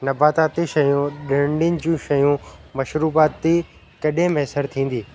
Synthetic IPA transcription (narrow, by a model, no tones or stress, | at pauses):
nɐbaːt̪aːt̪iʃɐjũɗɪɾɖɪənɪ̆d͡ʑũʃɐjũmɐʃɾuːbaːt̪ːi | kɐɗẽmeːsəɾt̪ʰĩːn̆d̪iː